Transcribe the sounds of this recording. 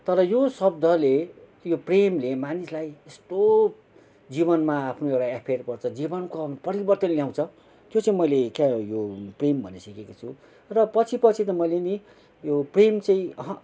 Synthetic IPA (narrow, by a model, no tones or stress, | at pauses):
t̪ʌɾʌjosʌbd̪ʱʌle | jopremlemanislajest̪o | d͡ziβʌnmaːpʰnoewʈaapʰrpʌrt͡sʰʌd͡zibʌnkopʌɾibʌrt̪ʌnljaw̃t͡sʰʌ | t̪jot͡saĩmʌjlekajoprembʱʌ̰nesʌkekot͡sʰu | rʌpʌt͡sʰipʌt͡sʰit̪ʌmʌjleni | jopremt͡sãĩʌɦʌ̃